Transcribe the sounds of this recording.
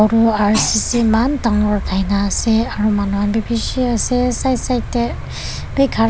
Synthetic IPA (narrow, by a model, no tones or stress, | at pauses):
ɹuaɹsisimantaŋɔɹdʰʱajnaːsɛaɹumanuanbibisiasɛsajsajtɛ | b̥ejkʰa